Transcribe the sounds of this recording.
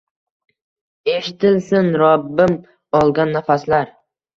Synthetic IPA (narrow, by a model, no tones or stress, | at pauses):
e̞ʃɪt̪ʰɪlsɪnɾɒbːɪm | ɒlˠɡʲanːafaslaɾ